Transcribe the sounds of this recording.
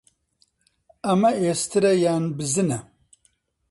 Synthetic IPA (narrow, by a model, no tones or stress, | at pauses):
ɐmɐest̪ʰɨɾɐjaːnbɨzɨnɐ